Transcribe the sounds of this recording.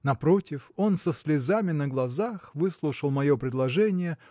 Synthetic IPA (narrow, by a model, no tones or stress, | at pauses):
nɐpɾo̞tʲɪfo̞nsəsʲlʲɪzamʲɪnəɡlˠɐzaxvɨslˠʊʂəlˠmɐjo̞pɾʲɪd̪lˠɐʐɛnʲɪjə